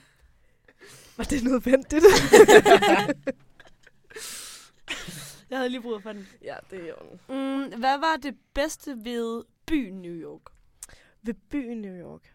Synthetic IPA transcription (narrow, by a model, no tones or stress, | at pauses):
ʋɑ̈d̥e̝nɔːðˠʋen̰d̥id̥ | jɑ̈ɪhæð̩ˠliːb̥ʁuðˠfɒd̥enjæd̥e̝ɔn̩ʋæʋɑ̈d̥e̝b̥esd̥əʋe̝ðˠb̥y̰ːnjujɒːɡ̥ | ʋe̝b̥y̰ːnjujɒːɡ̥